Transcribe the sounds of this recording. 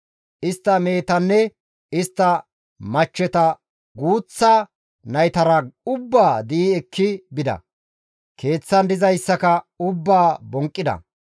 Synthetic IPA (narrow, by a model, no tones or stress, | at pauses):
ʔɪst̪ːɐme̞ːt̪ɐnːɛ | ɪst̪ːɐ | mɐt͡ʃːɛt̪ɐ | ɡuːt͡sːa | nɐjt̪ɐɾɐʊbːaːd̪ɪʔiːɛkːɪbɪd̪ɐ̰ | kʰe̞ːt͡sːɐnd̪ɪzɐjsːɐkɐ | ʊbːaːbɔŋkʼːɪd̪ɐ̰